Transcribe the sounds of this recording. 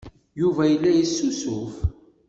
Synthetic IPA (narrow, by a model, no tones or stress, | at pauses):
juvæjəlːæjisːusʊf